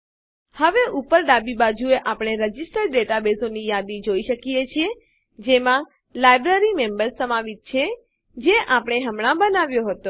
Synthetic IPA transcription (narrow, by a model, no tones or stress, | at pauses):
həʋeʔupəɾɖabibad͡ʒueʔapɽ̃eɾəd͡ʒisʈəɾɖeʈabesonijad̪id͡ʒoiʃəkijet͡ʃʰie | d͡ʒemã | lajbɾəɾimembəɾsːəmaʋit̪̚t͡ʃʰe | d͡ʒeʔapəɳ̃eɦəmɳ̃ãbənaʋjoɦət̪o